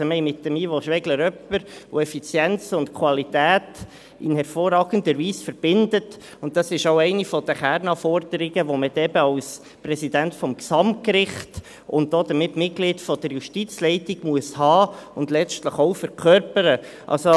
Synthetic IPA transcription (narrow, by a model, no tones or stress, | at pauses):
əmɛɪmɪt̚ːəmiːʋoʃʋɛɡləɾœpːəɾo̰ɛfit͡sjɛnt͡sʊntkʰwɑlitæːt | ɪnhɛɾfoːrɑːɡən̩d̪əɾʋiːsfəɾb̥ɪndət | ʊntd̥ɑsɪʃoʊɛɪnifɔd̥̪əχæɾnɑfɔɾd̪̥əɾɪɡəʋoməd̪ɛbəɑʊs | prɛsidæntfɔmksɑmt̚kɾɪχt | ʊntdoːd̥̪əmɪtmɪt̚klɪdfɔd̥̪əɾjuʃtit͡slɛɪtɪɡ̥muəshɑːʊndlɛt͡stləχoʊfəɾkʰœɾpəɾə | ʔɑ̰lso